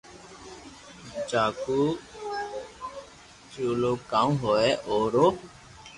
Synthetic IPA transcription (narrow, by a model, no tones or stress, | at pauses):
t͡ʃaːkuː | t͡ʃoːloːkãːũɦoːɛʔoːɾoː